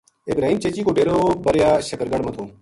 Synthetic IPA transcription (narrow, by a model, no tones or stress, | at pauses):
ɪbɾaːɦiːmt͡ʃet͡ʃiːkoːɖeːɾoːbəɾjaːʃəkəɾɡəɽmət̪ʰoː